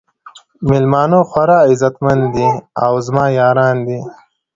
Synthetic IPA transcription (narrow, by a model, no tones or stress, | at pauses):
mɪlmaːnoxwɐɾaːizɐt̪mɐnd̪d̪iawzmaːjaːɾaːnd̪iː